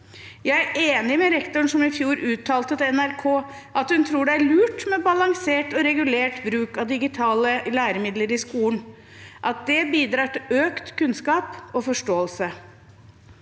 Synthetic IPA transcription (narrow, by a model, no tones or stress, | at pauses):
jæɪæɾʔeːnɪmɛɾɛkt̪ʊɳʂɔmɪfjuːɾʉːt̪ʰːɑːlt̪ət̪ɛnæɾkʰoː | ʔɑt̪hʉnt̪ʰɾuːɖɛæɭʉːʈmɛbɑlɑŋseːʈɔɾɛɡʉleːʈbɾʉːkɑd̪ɪɡɪt̪ʰɑːləlæːɾəmɪd̪ləɾɪskuːən | ʔɑt̪̚d̪ɛbiːd̪ɾɑːʈɪløːkt̪kʰʉnskɑːpɔfɔʂʈoːəlsə